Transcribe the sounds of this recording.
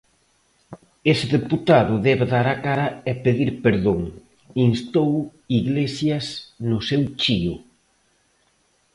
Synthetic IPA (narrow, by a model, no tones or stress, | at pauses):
esɪðeput̪aðʊðɛβeðaɾakaɾɐɛpeðiɾpeɾðoŋ | inst̪owiɣlesjɐsnʊsewt͡ʃiʊ